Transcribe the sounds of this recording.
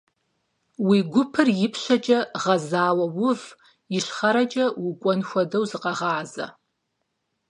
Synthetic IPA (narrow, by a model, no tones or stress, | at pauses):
wiɡʷʊpʰɨrjɪpʰʃʷɐt͡ʃʼɐʁɐzaːwɐwʊv | ɪʃχɐɾɐt͡ʃʼɐwukʷʼɔnxʷɐdɐwzɨqʼɑʁaːzɐ̰